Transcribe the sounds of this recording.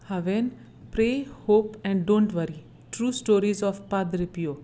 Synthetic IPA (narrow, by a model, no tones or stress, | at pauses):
haʋen | pɾeːhoːpɛ̃ɳɖɖõːɳʈʋəɾi | ʈɾuːsʈoːɾizɔːfpad̪ɾipijoː